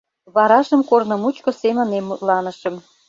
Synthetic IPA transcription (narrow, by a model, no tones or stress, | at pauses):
βɑɾɑʃəmkornə̆mut͡ɕkosemənemulɑnəʃə̆m